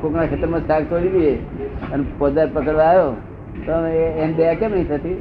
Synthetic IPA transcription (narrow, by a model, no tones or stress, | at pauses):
kʰoknakʰet̪əɾmãd͡ʒkaɡ̚t̪oliʋieənpod̪aɾpəkəɽʋaːo | t̪oeenbejakeməɦĩt̪ʰət̪i